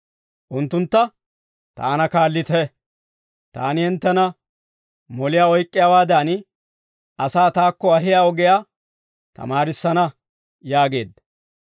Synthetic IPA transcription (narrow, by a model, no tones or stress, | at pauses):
ʔʊnt̪ːʊnt̪ːɐ | t̪a̰ːnɐkaːlːɪt̪ɛ | t̪a̰ːnɪhɪnt̪ːɛnɐ | mɔlɪjaːɔjkʼːɪjaːwaːd̪ɐn | ɐsaːt̪aːkːɔɐɦɪjaːɔɡɛjaː | t̪ɐ̰maːɾɪsːɐnɐ | jaːɡe̞̰ːd̪ɐ